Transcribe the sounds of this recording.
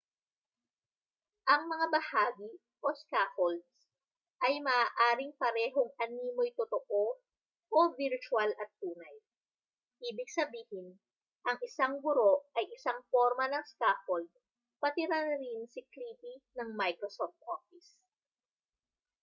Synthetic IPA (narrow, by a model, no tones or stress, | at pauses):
ʔɐŋmɐŋabɐhaːɡi | ʔo̞skafold̪̚s | ʔɐjmɐʔaːʔaːɾɪŋpɐɾɛːɦoŋɐniːmojt̪ot̪oʔo | ʔovɪɾt͡ʃʊalʔɐt̪ːuːnɐj | ʔiːbɪɡ̚sɐbiːhɪn | ʔɐŋɪsaŋɡʊɾo̞ʔɐjʔɪsaŋfoɾmɐnɐŋskafold̪̚ | pɐt̪ɪɾɐnɾɪnsɪkliːpinɐŋmajkɾosoft̪̚ʔofɪs